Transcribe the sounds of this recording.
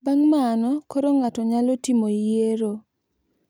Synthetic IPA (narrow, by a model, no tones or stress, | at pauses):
baŋmanɔkoɾoŋatɔɲalotimoijeɾo